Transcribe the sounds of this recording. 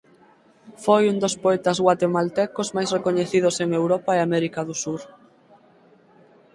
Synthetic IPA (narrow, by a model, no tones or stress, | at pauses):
fojund̪ospoɛt̪azɣwat̪emalt̪ɛkozmajsrekoɲeθiðʊseŋewɾɔpaeamɛɾikaðʊsuɾ